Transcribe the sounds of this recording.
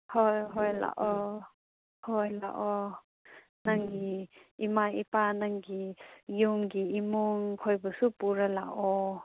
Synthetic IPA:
hojɦojla̰ʔɔ | hojla̰ʔɔ | naŋɡiimaipanaŋɡijuŋɡiimuŋkʰɔjbəsupuɾala̰ʔɔ

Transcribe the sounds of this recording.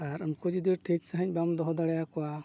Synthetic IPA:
aɾamkud͡ʒid̪iɾʈʰik̚saɦaɲ̚ˀbamd̪ɔɦɔd̪aɽɛjakɔwa

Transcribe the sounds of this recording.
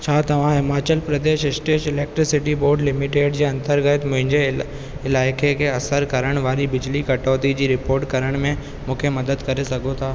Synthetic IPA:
t͡ɕʰaːt̪ɐʋ̤ãɦɪmaːt͡ɕəlpɾɐd̪eːʃɪsʈeːʃɪleːk̚ʈɾɪsɪʈiboːɾɖlɪmɪʈeːʈd͡ʑeːɐ̃nt̪əɾɡət̪mʊ̃ɦɪ̃ɲd͡ʑe | ɪlaːɪkekʰeɐsəɾkɐɾəɽ̃ʋaːɾibɪd͡ʑlikɐʈɔːt̪id͡ʑiːɾɪpoːɾʈkɐɾəɽ̃mẽ | mũːkʰemɐd̪əd̪kɐɾesɐɡʱot̪ʰaː

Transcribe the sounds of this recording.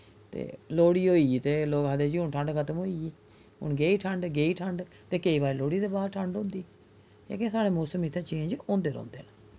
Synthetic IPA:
t̪ḛːloːɽiːoːit̪eːloːkɦəd̪eːd͡ʒiːʊɳʈʰəɳɖkʰət̪əmɦoːiːiː | ɦʊ̰nɡeːiːʈʰəɳɖɡeːiːʈʰəɳɖ | t̪eːkeiːʋaːɾloːɽiːd̪eːbaːɾʈʰəɳɖɦʊ̃ːnd̪iː | ḛːkẽsaːɽeːmoːsəmit̪ʰːeːt͡ʃẽːɲd͡ʒɔ̃ːnd̪eːɾõ̰ːnd̪ḛːnaː

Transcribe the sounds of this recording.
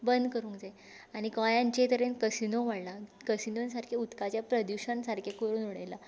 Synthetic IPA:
bənd̪kəɾũːŋkd͡ze | aɽ̃ikɔjãɲt͡ɕet̪əɾenkəsinoʋaɽlakəsinonsaɾkʰeut̪kat͡ɕjapɾəd̪juɕənsaɾkʰekəɾuːnuɽejla

